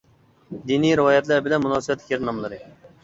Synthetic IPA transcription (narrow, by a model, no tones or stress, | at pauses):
d̪iniɾɨwɑjɛt̪lˠɨɾbɪlɛnmunɑsəbɛt̪lːɪ̥kʲjeɾnɑmlˠɨɾɨ